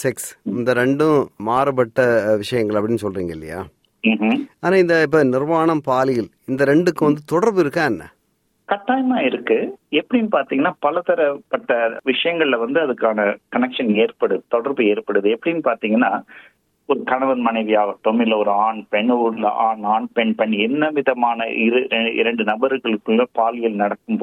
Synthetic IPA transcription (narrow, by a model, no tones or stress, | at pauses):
sɪksɪnd̪ɐɾɛɳɖɯ̃maːɾɯpɐʈːɐʋɪʂɐjɐŋɡɐɭɐpːɐɽɪnːɯsɔlriːŋɡɐɪlːɐ̰ja̰ː | mːɦaːnaːɪnd̪ɐɪp̬ːɐːnɪrʋaːɳɐmpaːlɪɣɐɭ | ɪnd̪ɐɾɛɳɖɯkːɯʋɐnd̪ɯt̪ɔɽɐɾbɯɪɾɯkːãːnːɐ̰ | kɐʈːaːjɐmaːɪɾɯkːɯɛpːɐɽɪnːpaːɾt̪iːŋɡɐnːaːpɐlɐt̪ɐɾɐpːɐʈːɐʋɪʂɐjɐŋɡɐɭɪlɐʋɐnd̪ɯɐðɯkːaːnɐkɐnɛkʂɐneːrpɐɽɯt̪ɔɽɐɾbɯeːɾpɐɽɯðɯɛpːɐɽɪnːpaːɾt̪iːŋɡɐnːaː | ɔɾɯkɐɳɐʋɐnmɐnɐɪʋɪjaːɣɐʈ̪ːɔmɪlːɐɔɾɯaːɳpɛɳuːɽlɐ̰ʔaːnaːɳpɛɳpɛɳɛnːɐʋɪðɐmaːnɐɪɾɯɛɪ̰ɾɐɳɖɯnɐbɐɾɯɣɐɭɯkːɯɐːpaːlɪjɐlnɐɽɐkːɯmpː